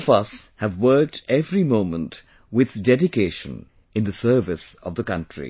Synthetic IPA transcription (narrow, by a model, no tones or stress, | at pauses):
vʌshɨvwɜ˞k̚tɛvɹimõʊ̃mə̃nt | wɪð̥dɛdɨkʰeɪʃɨ̰̃n | ɨ̃nðɨsɜ˞vɨsʌvðəkʌ̃ntɹ̥ḭ